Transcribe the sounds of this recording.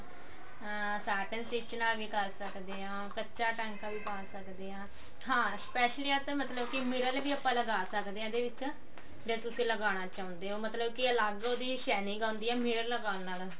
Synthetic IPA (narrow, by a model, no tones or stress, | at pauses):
saːʈənsit͡ʃnãːɡiːkəɾsəkd̪eːɦãːkətːt͡ʃʃaːʈɛ̃ːŋkãːʋiːpaːsəkd̪eːɦãː | ɦãːspɛːʃliːãːt̪ːmət̪ləbkɪmɪɾəlʋiːəpːãːləɡaːsəkd̪eːãːd̪eːʋɪt͡ʃ | d͡ʒaːt̪ʊsẽːləɡaːñaːt͡ʃaːʊ̃nd̪eːɦoːmət̪ləbkiəlaɡoːd̪iːʃɛːnɪ̃ɡãːnd̪iːɛːmɪɾəlːəɡaːlnaːl